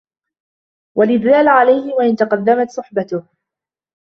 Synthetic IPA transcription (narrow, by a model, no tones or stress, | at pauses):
walɪðːaːlʕalajhɪwaʔɪnt̪ɑqɑd̪ːamat̪sˤʊħbat̪ʊh